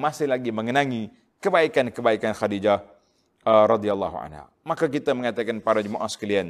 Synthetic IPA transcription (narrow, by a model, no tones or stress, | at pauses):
masɪhlaɡiməŋənaŋi | kəbaikankəbaikanxadid͡ʒa | əɾɑd̪ialːɑ̰ɦua̰nha̰ | makak̬it̪aməŋat̪akanpaɾad͡ʒumaʔa̰sə̥kalian